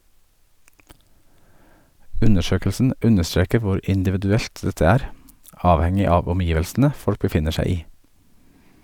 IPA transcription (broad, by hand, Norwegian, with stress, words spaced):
ˈʉnəˌʃøːkəlsn̩ ˈʉnəˌstɾeːkə ˈʋʊɾ ɪndɪʋɪdʉˈɛlt ˈdɛtə ˈæːɾ ˈɑːʋˌhɛŋɪ ˈɑːʋ ɔmˈjiːʋəlsn̩ə ˈfɔɽk bəˈfɪnə ˈʃæɪ ˈiː